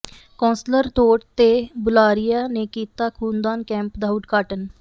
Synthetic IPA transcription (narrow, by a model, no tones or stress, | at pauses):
kɔ̃ːnsləɾt̪oːʈt̪eːbʊlaːɾɪjaːneːkiːt̪aːkʰũːnd̪aːnkɛ̃ːmpd̪auɖɡaːʈən